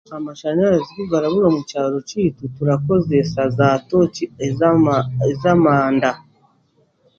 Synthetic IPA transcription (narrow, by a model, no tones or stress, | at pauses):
amaʃanaɾaziβuɡaɾaβuɾamucaːɾocitutuɾako̞zesazatoci | ezamaːnda